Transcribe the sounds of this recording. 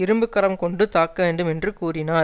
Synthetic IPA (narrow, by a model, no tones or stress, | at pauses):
ɪɾɯmbɯkːɐɾɐmkɔɳɖɯt̪aːkːɐʋeːɳɖɯmɛndrɯkuːrɪnaː